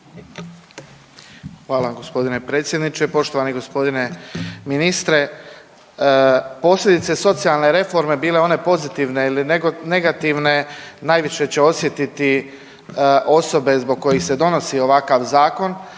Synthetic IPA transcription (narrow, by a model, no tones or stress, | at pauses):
xʋaːlaɡo̞spo̞d̪ine̞pɾet̪sʲje̞d̪nit͡ʃepo̞ʃt̪oʋaniɡo̞spo̞d̪ine̞minist̪ɾe̞ | po̞slʎʲe̞d̪it̪se̞so̞t̪sijalˠne̞ɾe̞fo̞ɾme̞biːle̞o̞ne̞po̞zit̪iʋne̞ilinne̞ɡat̪iʋne̞naːjʋiʃe̞t͡ɕe̞o̞sje̞t̪it̪i | ʔo̞so̞be̞zbo̞ɡ̚kːo̞jixse̞d̪o̞no̞sio̞ʋakaʋzaːko̞n